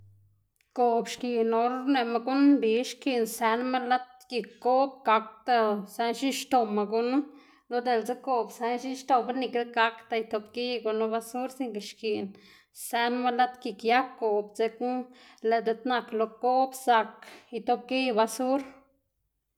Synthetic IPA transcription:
ko˨bʃki˨no˧ɾne˨ma˧ɡu˦nbi˨˦ʃki˧˨nse˧˦nma˦la˦t̪̚ki˨kːo˦b̚ɡa˧k̚t̪a˧se˧nʃi˦ʃt̪o˨ma˨ɡu˧˦nu˦ | lo˧d̪e˨lt͡se˦ko˨bse˧˦nʃi˦ʃt̪o˨˧ba˦ni˧˨ke˦d̪ɡa˧˦kt̪a˧jt̪o˧bki˦ɡu˧nu˧βa˧su˦ɾsi˧ŋke˨ʃki˨n | se˧nma˧la˦t̪ki˨kja˦kːo˨bt͡se˧ku˦ | le˨d̪e˧t̪na˧klo˧ko˦bsa˧ki˧t̪o˧b̚ki˦ba˧su˦ɾ

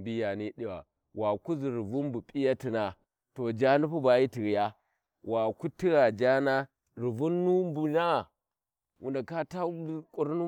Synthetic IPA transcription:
bi˦ja˨ni˦ɗi˦wa̰˨ | wa˨ku˦zi˨ɾi˨vu˦mbu˨pʼi˦ja˦ti˨na˨ | to˨d͡ʒa˦nu˦pu˦ba˨ji˦ti˨ɣi˨ja˦ | wa˨ku˦ti˦ɾa˨d͡ʒa˦na˦ | ɾi˨vu˦nːu˦mbu˨na˦˨ | wʔṵ˨nda˨ka˦ta˦kʼu˦ɾnu˦

